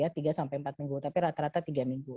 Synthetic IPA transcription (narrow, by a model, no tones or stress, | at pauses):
at̪iɡasampɛjmpat̪̚miŋɡut̪apiɾat̪aɾat̪at̪iɡamiŋɡu